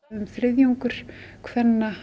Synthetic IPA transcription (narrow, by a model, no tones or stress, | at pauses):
ʏmθɾɪðjuŋkʏɾ̥kʰvɛnːa